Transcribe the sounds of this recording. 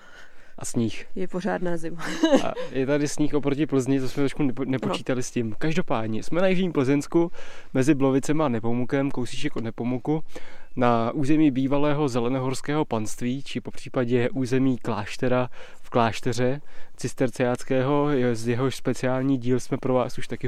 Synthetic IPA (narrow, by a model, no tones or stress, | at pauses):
ʔasɲixjɛporaːdnaːzɪmaa̰jɛt̪adɪsɲiːxʔopɾocɪpl̩zɲɪt̪osmɛt̪ɾoʃkunɛpot͡ʃiːt̪alɪscɪmkaʒdo̞paːdɲɛsmɛnajɪʒɲiːmpl̩zɛnskumɛzɪblovɪt͡sɛmanɛpo̞mukɛmkowsit͡ʃɛkonɛpo̞mukunaʔuːzɛmiːbiːvalɛːɦo̞zɛlɛnoɦoɾskɛːɦo̞panst̪viːt͡ʃɪpo̞pr̝̥iːpaɟɛʔuːzɛmiːklaːʃt̪ɛɾa | fklaːʃt̪ɛr̝ɛt͡sɪst̪ɛɾt͡sɛaːt͡skɛːɦo̞jzjɛɦoʃspɛt͡sɪaːlɲiːɟiːlsmɛpɾo̞vaːsuʃt̪akɪ